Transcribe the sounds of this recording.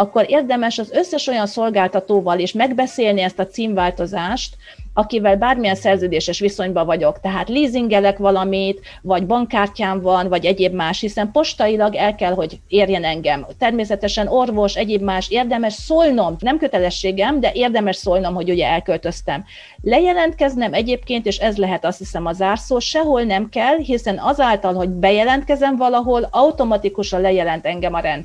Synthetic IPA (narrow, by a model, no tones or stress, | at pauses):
ɒkːo̞ɾeːrd̪ɛmɛʃɒzø̞sːɛʃo̞jɒnso̞lɡaːlt̪ɒt̪oːvɒleːʃmɛɡbɛseːlniɛst̪ɒt̪siːɱvaːlt̪o̞zaːʃt̪ | ɒkivɛlbaːrmijɛnsɛrzøːd̪eːʃɛʃʋiso̞ɲbɒvɒɟo̞kt̪ɛɦaːt̪liːziŋɡɛlɛkʋɒlɒmit̪ | vɒɟbɒŋkːaːrcaːɱvɒnvɒɟɛɟeːbmaːʃhisɛmpo̞ʃt̪ɒilɒɡɛlkɛlɦo̞ɟeːrjɛnɛŋɡɛmt̪ɛrmeːs̬ɛt̪ɛʃɛno̞rvo̞ʃɛɟeːbmaːʃeːrd̪ɛmɛʃsoːlno̞mnɛmkø̞t̪ɛlɛʃːeːɡɛmd̪ɛʔeːrd̪ɛmɛʃsoːlno̞mho̞ɟuɟɛɛlkølt̪ø̞st̪ɛm | lɛjɛlɛnt̪̚kɛznɛmɛɟeːpkeːnt̪eːʃɛzlɛɦɛt̪ɒst̪hisɛmɒzaːrsoːʃɛɦo̞lnɛmkɛlɦisɛnɒzaːlt̪ɒlɦo̞ɟbɛjɛlɛnt̪̚kɛzɛɱvɒlɒɦo̞lɒut̪o̞mɒt̪ikuʃɒnlɛjɛlɛn̪t̪ɛŋɡɛmɒɾɛnd̪